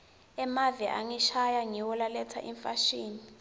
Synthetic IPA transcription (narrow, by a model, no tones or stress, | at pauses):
ɛmaviʔaŋiʃajaŋiwɔlalɛtʰa̰ʔḭɱfaʃiːni